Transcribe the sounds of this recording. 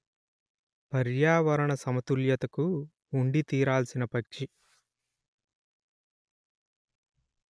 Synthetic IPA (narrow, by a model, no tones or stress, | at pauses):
pɐɾjaːʋɐɾɐɳɐsɐmɐt̪uljɐt̪ɐkuː | ɳɖit̪iːɾaːlsinɐpɐkʂi